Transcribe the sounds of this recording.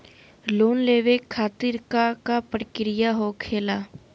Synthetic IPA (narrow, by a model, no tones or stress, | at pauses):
loːnleːʋeːkʰaːt̪ɪɾkaːkaːpəɽkɪɾɪjaːɦoːkʰeːlaː